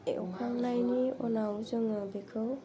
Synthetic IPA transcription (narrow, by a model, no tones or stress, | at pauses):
ḛʔɔ̰kʰaŋnajniɔnawzɯŋɯbekʰɯw